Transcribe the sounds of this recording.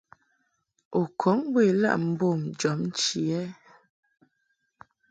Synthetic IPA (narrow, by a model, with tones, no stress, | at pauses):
o˨kʰɔ˨˦ŋbwe˦˨la̰˦ʔm̩˦bo˦˨md͡ʒɔ˨˦mn̩˦t͡ʃi˨ɛ˦